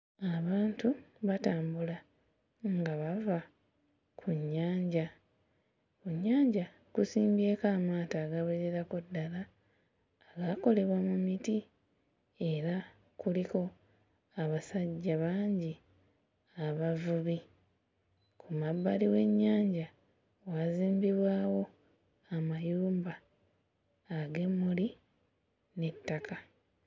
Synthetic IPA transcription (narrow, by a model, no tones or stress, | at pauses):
aβaːntuβataːmbula | ŋɡaβava | kʰuɲːaːɲɟa | kuɲːaːɲɟa | kusiːmbe̞ːkaːmaːtaːɡaβeɾeɾakudːalaː | ɡako̞le̞βwamumiti | e̞ɾa | kuliko̞ | aβasaɟːaβaːɲɟi | aβavuβi | kʰumabːaliwe̞ɲːaːɲɟa | waziːmbiβwaːwo̞ | amajuːmba | ɡe̞mːuli | ne̞tːaka